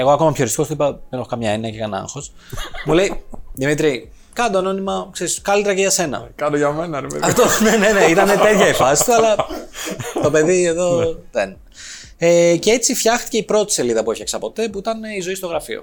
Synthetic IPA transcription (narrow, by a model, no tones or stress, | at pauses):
e̞ɣo̞ɐko̞mɐpço̞ɾist̪ost̪oipɐðene̞xokɐmɲɐeniɐcekɐnɐ̰ŋxo̞s | mule̞iðimit̪ɾi | kɐnd̪ono̞nimɐkseɾiskɐlit̪eɾɐceʝɐse̞nɐ̰kɐnoʝɐmenɐɾepḛðɐft̪oneneneit̪ɐnet̪e̞t̪çɐifɐsit̪uɐlɐ | t̪o̞pe̞ðieðo̞ðen | ecee̞t͡sifçɐxt̪i̥ce̞ipɾo̞t̪i̥se̞liðɐpueçeksɐpo̞t̪e̞puit̪ɐnizo̞ist̪o̞ɣɾɐfio̰